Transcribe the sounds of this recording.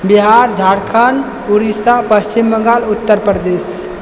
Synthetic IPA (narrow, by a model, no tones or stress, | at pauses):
biɦaɾd͡ʒʱaɽkʰan | uɾisapəst͡ʃimːəŋɡalut̪ːəɾpɾəd̪es